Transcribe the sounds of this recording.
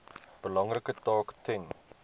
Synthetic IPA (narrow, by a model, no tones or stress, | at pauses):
b̥əlɑŋrəkətɔːktɪŋ